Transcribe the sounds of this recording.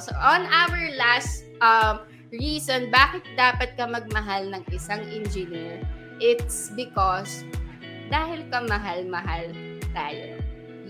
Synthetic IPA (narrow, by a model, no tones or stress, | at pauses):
soʔɔnʔawɛɹlast̪̚ | ʔɐm | ɹiːsonbaːkɪt̪̚d̪aːpɐt̪̚kɐmɐɡ̚mɐɦalnɐŋʔɪsaŋʔɛnd͡ʒɪniːɹ | ʔɪt̪̚sbɪkos | d̪aːhɪlkɐmɐɦalmɐɦal | t̪aːjo̰